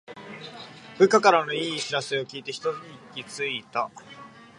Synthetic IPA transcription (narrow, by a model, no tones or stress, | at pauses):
b̥ɯ̟kakaɾano̞iːɕiɾasɨo̞kʲiːt̪e̞çi̥t̪o̞t͡sɨɲiikʲːit͡sɨit̪a